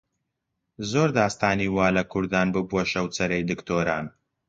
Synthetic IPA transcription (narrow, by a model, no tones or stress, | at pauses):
zoːɾd̪aːst̪aːniːwaːlɐkʰʊɾd̪aːnbɨbwoʃɐwt͡sɐɾejd̪ɨkt̪ʰoːɾa̰ːn